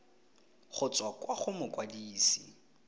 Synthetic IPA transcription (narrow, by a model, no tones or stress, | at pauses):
χʊt͡sʼwakʼwaχʊmʊkʼwadiːsḭ